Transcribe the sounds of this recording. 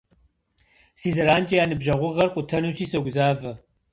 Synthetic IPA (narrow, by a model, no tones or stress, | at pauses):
siːzɐɾaːnt͡ʃʼɐjaːnɨbʒɐʁʷʊʁɐrqʷʼʊtʰɐnuːɕiːsɐɡʷzaːvɐ